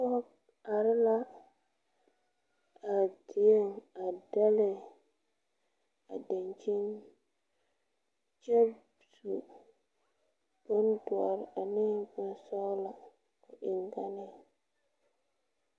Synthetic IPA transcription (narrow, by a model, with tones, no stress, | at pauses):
ɔ˦ | a˨ɾɪ˦la˦ | a˨ti˨e˦ŋa˨da˦lɪ˨ | a̰˨da˨nt͡ʃi˦n | t͡ʃɛ˦ | su˨ | bə˦n˦dʊ˨a̰˨ɾa˨nɪ˦bʊ˨n˦sɔ˦la˨ | ʊ˨ʔɪ˨ŋɡa˦nɪ˨